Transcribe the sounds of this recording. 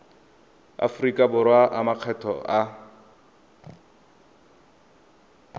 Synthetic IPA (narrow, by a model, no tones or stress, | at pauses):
a̰fʊrikʼabʊrwaʔamaq͡χʰɛtʰɔ̰a